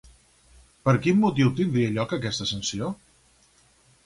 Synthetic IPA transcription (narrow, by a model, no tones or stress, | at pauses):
pəɾkimːut̪iwt̪ind̪ɾiəʎɔkəkɛst̪əsənsio